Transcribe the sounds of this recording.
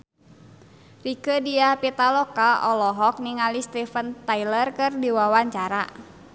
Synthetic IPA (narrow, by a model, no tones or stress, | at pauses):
rikədiapit̪alɔkaʔɔlɔɦɔk̚niŋalist̪ifənt̪ailərkɨrdiwawaɲt͡ʃaɾa